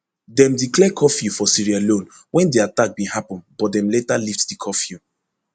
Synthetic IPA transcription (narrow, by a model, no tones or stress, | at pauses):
dɛ̃mdiklɛkʰɔfjufɔsiɹialõn | wɛ̃ndiatak̚bĩhapɔ̃nbɔt̚dɛ̃mletaliftdikʰɔfju